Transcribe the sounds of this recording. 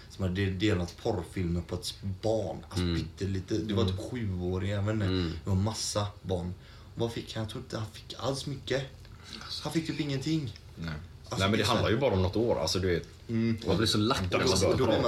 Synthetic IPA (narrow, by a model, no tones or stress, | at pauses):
sɔmhad̪əd̪eːlat̪ːpʰɔɾfɪlmənpʰɔɛt̪bɑːɳat̪bʏt̪ʰːəliːt̪əd̪ɛvaɾt̪ʰyːpɧʉ̟ːoːɾɪŋavɛnːəɛvamasːabɑːɳ | ɔvafɪkːhanjɑt̪ʰɾuːɾɪnt̪əhanfɪ̥kːa̰lsmʏkːə | hanfɪkːt̪ʰyːpɪŋːənt̪ʰɪŋː | anɛmɛnd̪ɛɦand̪aɾjʉbɑːɾaɔmnɔt̪ːoːɾa̰lsɔd̪ɵveːt̪ | m̩blɪsɔlakːt̪ːd̪ɔ